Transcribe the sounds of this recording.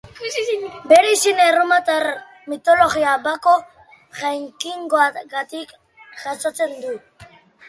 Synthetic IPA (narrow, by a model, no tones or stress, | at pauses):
beɾisinerumat̪aɾ | mit̪oloɣiabako | ʝajŋkiŋɡoaɡat̪ik | ʝasat͡send̪u